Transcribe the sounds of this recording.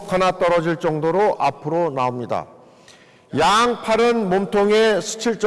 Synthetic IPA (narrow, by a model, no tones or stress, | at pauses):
kʰanat͈ʌɾʌd͡ʑiɭt͡ɕ͈ʌŋdoɾoʔapʰɯɾonaomɲida̰ | jaŋpʰaɾɯnmomtʰoŋesʰu̥t͡ɕʰiɭt͡ɕ͈